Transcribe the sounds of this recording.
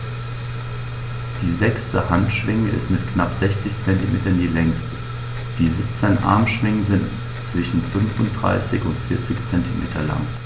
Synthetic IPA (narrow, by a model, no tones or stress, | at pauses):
d̥iːzɛkstəhantʃv̥ɪŋəʔɪ̰stmɪtknapz̥ɛçt͡sɪçt͡sɛntimḛːtɐndiːlɛŋstə | d̥iːzɪp̚t͡sɛnʔa̰ɐmʃv̥ɪŋəzɪnt | t͡sv̥ɪʃn̩fʏnfʊnt̚d̥ʁa̰ɪsɪçʊntfɪɐt͡sɪçt͡sɛntimʔḛːtʰɐla̰ŋ